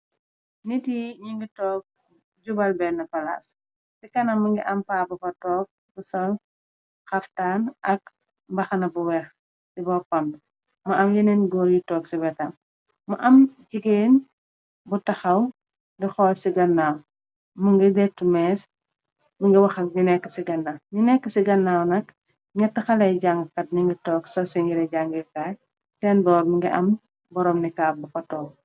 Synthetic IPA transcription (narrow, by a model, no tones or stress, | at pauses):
nitiɲiŋɡitɔːk̚ | ɟubɐlbɛnɐpɐla̰ːs | sikɐnɐmuŋɡiʔɐmpaːbɐpɐtɔːk̚ | busɔn | xɐftaːnʔɐk̚ | bɐxɐnɐbuwɛx | sibɔpɐm | muʔɐmjɐnɛnɡɔːɾjitɔːksibɛtɐm | muʔɐmd͡ʒiɡeːn | butɐxɐw | ndɛxɔːsiɡɐnːaːw | muŋɡidɛtːumɛːs | miŋɡiwɐxɐɲinɛkːə̥siɡɐnːaɲinɛkːəsiɡɐnːaːwnɐk | ɲɐtːɐxɐlɐjɟaŋɡkɐt̚niŋɡitɔːksɔsiŋɡiɾɐɟaŋɡikaːj | sɛːnbɔːɾmuŋɡiʔɐ̰m | bɔɾɔːmnikaːbukɐtɔːk̚